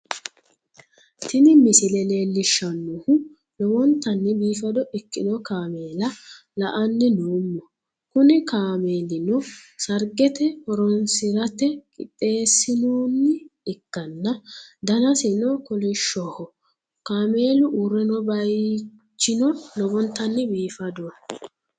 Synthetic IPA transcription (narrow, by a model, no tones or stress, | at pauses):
t̪ʰɪnɪmɪsɪlɛle̞ːlːɪʃːɐnːʊhʊ | lɔwɔnt̪ːɐnːɪbiːfɐd̪ɔʔɛkːɪnɔkaːme̞ːlɐ | lɐʔɐnːɪnoːmːɔ | kʊnɪkaːmeːlɪnɔsɐɾɡɛt̪ɛhɔɾɔnsɪɾɐt̪ɛkʼɪ̰t̪ʼːe̞ːsːɪnoːnːɪɪkːɐnːɐd̪ɐnɐsɪnɔkɔlɪʃɔhɔ | kaːme̞ːlʊʔuːɾɛnɔbɐj | t͡ʃːɪnɔlɔbɔnt̪ːɐnːɪbiːfɐd̪ʊwɐ